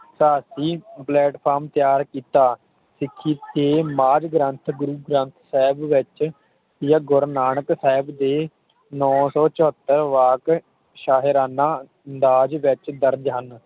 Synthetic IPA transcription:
saːsiːplɛːʈpʰaːɾmt̪jaːɾkiːt̪aː | sɪkʰːiːt̪eːmaːd͡ʒɡɾənt̪ʰɡʊɾuːɡɾə̃nt̪ʰsɛːɪbʋɪt͡ʃ | jaɡʊɾnaːɳəksɛːɪbd̪eː | nɔːsɔːt͡ʃɔət̪ːəɾʋaːk | ʃaːɦɪɾaːnãː | ənd̪aːd͡ʒʋɪt͡ʃd̪əɾd͡ʒɦən

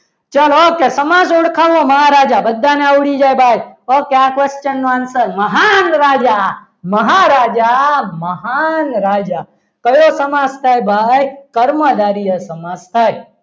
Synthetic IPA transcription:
t͡ʃəlokesəmad͡ʒoɽkʰaʋõməɦaɾaːd͡ʒabəd̪ʱːaneawɽid͡ʒajbʱajokeakʋest͡ʃənːoansəɾməɦanɾaːd͡ʒa | məɦaɾad͡ʒaməɦanɾaːd͡ʒa | kəjosəmast̪ʰaːjbʱajkəɾməd̪aɾijəsəmad͡ʒt̪ʰaj

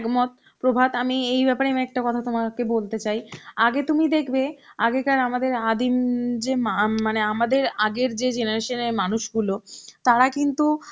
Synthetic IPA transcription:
ɡmot̪̚ | pɾobʱat̪amiejbɛpaɾemɛk̚ʈakɔt̪ʰat̪omakebolt̪et͡ɕajaɡet̪umid̪ekʰbeaɡekaɾamad̪eɾad̪imd͡ʑemamaneamad̪eɾaɡeɾd͡ʑed͡ʑenaɾeʃoneɾmanuʃɡulot̪aɾakint̪u

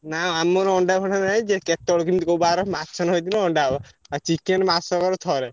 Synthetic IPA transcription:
nãamɔɾɔɳɖabʱɔɽannaĩd͡ʒeket̪ɔɽk̬imit̪ikobaɾɔmat͡ʃʰɔnɦojt̪inɔɔɳɖabɔat͡ʃikenmasɔkɔɾɔt̪ʰɔɾɛ

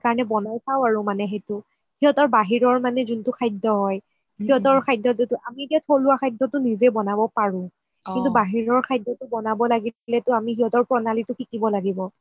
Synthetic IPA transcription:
kaɹɔnɛbɔnajsawaɹʊ̃manɛɦɛtʊ | hiɦɔtɔɹbaɦiɹɔɹmanɛzuntʊkʰajdɔɦɔj | hiɦɔtɔɹkʰajdɔtutʊʔamietiatʰolʊwakʰajdɔtʊnizɛbɔnabɔpaɹʊ̃ | kintubaɦiɹɔɹkʰajdːɔtʊbɔnabɔlaɡilɛtʊamihiɦɔtɔɹpɹɔnalitʊkʰikibɔlaɡibɔ

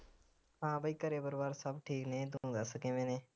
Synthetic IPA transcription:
ɦãːbəiːkəɾeːbəɾbaːɾsəbʈʰiːknẽːd̪ud̪asəkẽːʋẽːnẽː

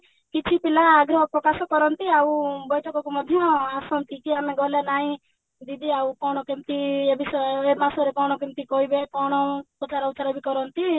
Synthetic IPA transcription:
kit͡ʃʰipilaːɡɾɔɦɔpɾɔkasɔkɔɾɔnt̪iaũbɔjʈʰɔkɔkumɔd̪ʱjɔasɔnt̪ikiamẽɡɔlanaĩ | d̪id̪iaukɔɽ̃ɔkimt̪iebisemasɔɾekɔɽ̃ɔkimt̪ikɔibekɔɽ̃ɔpɾɔt͡ʃaɾɔut͡ʃaɾabʱikɔɾɔnt̪i

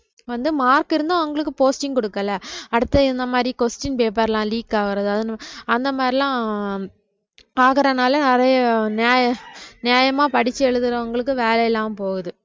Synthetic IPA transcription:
ʋɐnd̪ɯmaːɾkɪɾɯnd̪ãːɐʋɐŋɡɐɭɯkːɯpoːsʈɪŋkɔɽɯkːɐlɐɐɽɯt̪ːɐɪnd̪ɐmaːd̪ɾikosʈɪnpeːp̬ːaːɾɐlãːliːkːaːʋɐɾɐðɯɐðɪnɐnd̪ɐmaːd̪ɾilãː | aːɣɪɾɐnaːlɐnɪɾɐjɐnɪaːjɐnɪjaːjɐmaːpɐɽɪt͡ʃːɯɛɭɯðɯɾɐɐŋɡɐɭɯk̬ːɯʋeːlɐjɛlːaːmpoːɣɯðɯ

